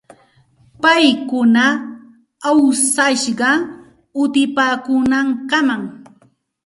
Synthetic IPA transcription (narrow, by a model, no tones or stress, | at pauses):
pajkʊna | awsaʃɢɑ | ʊt̪ɪpaːkʊnɑɴkɑmaŋ